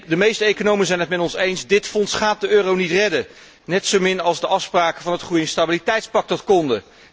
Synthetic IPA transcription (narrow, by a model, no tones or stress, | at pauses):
dəmejstəejkonowmənzɛjnɦətmɛtɔnsejnsdɪtfɔnsχaːt̚dəøːrownitrɛdə | nɛtsowmɪnɑlˠzdəʔɑfspraːkəvɑnɦətχrujɪnstabilitɛjtspɑk̚dɑtkɔndə